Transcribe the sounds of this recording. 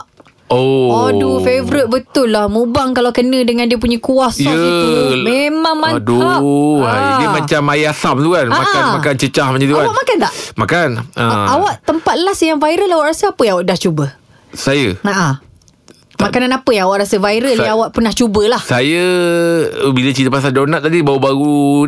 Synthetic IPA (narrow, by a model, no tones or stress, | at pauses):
oadufevɾɪt̪̚bət̪ʊlːahmũbaŋkalawkənə̃dəŋãndiəp̬uɲəkuasjəsimemaŋmaduaadiəmat͡ʃamajasamt̪ukanamakːaanmakant͡ʃət͡ʃahmaɲd͡ʒdit̪aawaʔmakant̪aʔmakanə̰awaʔt̪əmpat̪̚lasjaŋvaiɾəlawaʔɾasəapəjaŋawaʔdaht͡ʃubə | sajəmaʔa | makananapəjaŋawaʔɾasəvaiɾəliawaʔpənaht͡ʃubəlahsajə | bilat͡ʃit̪əpas̬andɔnat̪ːadibaubaɾu